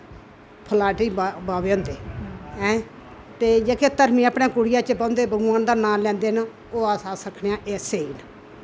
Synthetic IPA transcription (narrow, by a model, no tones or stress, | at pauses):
pʰəlaːʈiːbbaːʋeːɦõːnd̪eːɛ̃ː | t̪eːd͡ʒekʰeːt̪əɾmĩːaːpnẽːkʊɽɪjaːt͡ʃəbãːnd̪eːbəɡaːnd̪aːnaːlɛ̃ːnd̪eːn | oːaːsaːsəkʰnejãːʔeːseːiːn